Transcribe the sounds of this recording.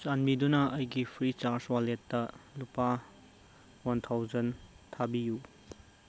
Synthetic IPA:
t͡ʃanmidunɐɐjɡipʰɾit͡ʃaɾswaletːɐlupa | wantʰawd͡ʒɐn | tʰabiju

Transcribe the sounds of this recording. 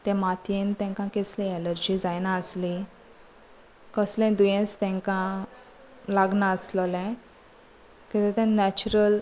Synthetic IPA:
t̪ɛ̃mat̪jẽnt̪ɛ̃ŋkãkeslẽɛləɾd͡ʑid͡zajnaəsli | kəslɛ̃d̪ujẽst̪ɛ̃ŋkã | laɡnaəsləlɛ̃ | kit̪ẽt̪ɛ̃nɛt͡ɕuɾəl

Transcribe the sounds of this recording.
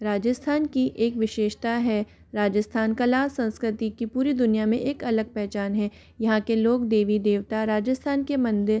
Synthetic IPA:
ɾaːd͡ʒəst̪ʰaːnkiʔeːkʋɪʃeːʃt̪aɦɛ | ɾaːd͡ʒəst̪ʰaːnkɐlaːsɐ̃nskɾɪt̪ikipuːɾid̪ʊnijamẽʔeːkɐləɡ̚pɛɦt͡ʃaːnɦɛː | jɐɦãkeloːɡd̪eːʋid̪eːʋt̪aɾaːd͡ʒəst̪ʰaːnkemɐ̃nd̪ɪɾ

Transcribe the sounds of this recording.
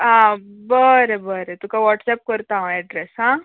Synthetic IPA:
ãbəɾebəɾet̪ũkaʋɔʈsɛp̚kəɾt̪aɦãɛɖɾesɦã

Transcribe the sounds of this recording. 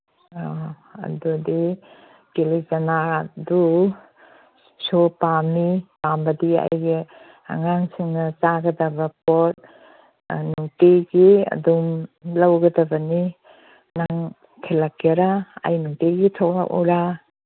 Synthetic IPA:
ɐ̰dudi | kelizɐnadu | sopamipambɐdia̰jɡi | a̰ŋaŋsiŋnɐsaɡɐdɐbɐpot̚ | nuŋteɡiɐ̰dumlawɡɐdɐbɐni | naŋ | tʰelakaɾaa̰jnuŋteɡitʰokla̰ʔɔ̰ɾa

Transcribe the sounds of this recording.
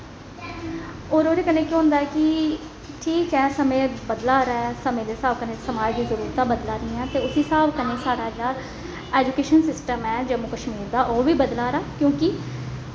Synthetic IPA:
oːɾoːɾeːkənẽːkjõːɦʊ̃nd̪aːɛːkɪ | ʈʰiːkɛːsəmẽːbəd̪laːɾaːɛsəmẽːd̪eːsaːbkəneːsəmaːd͡ʒd̪iːzəɾuːɾt̪ãːbəd̪laːɾĩːɛ̃ːt̪eːʊsĩːsaːbkəneːsaːɽaːd͡ʒaːɾ | ɛːd͡ʒukeːʃənsɪsʈəmɛːd͡ʒəmũːkəʃmiːɾd̪aːʔoːʋiːbəd̪laːɾaːkjõːkɪ

